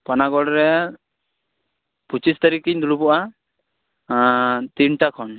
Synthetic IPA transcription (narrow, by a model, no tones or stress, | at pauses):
panaɡɔɽɾɛ | put͡ʃist̪aɾikiɲd̪uɽupɔʔa | t̪inʈakʰɔn